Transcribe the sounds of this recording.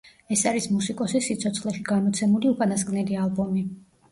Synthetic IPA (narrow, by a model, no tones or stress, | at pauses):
ɛsaɾismusikʼɔsisit̪sʰɔt̪sʰχlɛʃiɡanmɔt̪sʰɛmuliupʼanaskʼnɛlialˠbɔmi